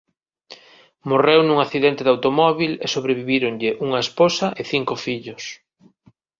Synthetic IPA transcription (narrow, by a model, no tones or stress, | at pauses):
morewnũŋaθiðent̪ɪðawt̪omɔβilesoβɾeβiβiɾoŋʎɪʔuŋɐesposɐʔeθiŋkʊfiʎʊs